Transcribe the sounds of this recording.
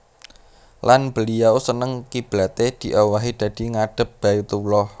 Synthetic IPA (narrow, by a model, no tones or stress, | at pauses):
lanb̥ə̤liawsənəŋkib̥ɾat̪ed̪̥i̤ʔawaɦid̪̥ä̤d̪̥i̤ŋaɖ̥ə̤p̚b̥ajut̪ulɔh